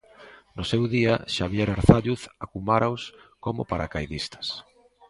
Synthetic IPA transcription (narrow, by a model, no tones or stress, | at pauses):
nʊsewðiaʃaβjɛɾaɾθaʎuθakumaɾaʊskomʊ̰paɾa̰kajðist̪ɐ̥s